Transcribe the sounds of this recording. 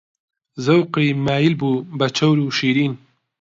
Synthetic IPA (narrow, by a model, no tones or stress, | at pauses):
zɐwqɾiːmaːjilbuːbɐt͡ʃʰɐwɾuːʃiːɾiːn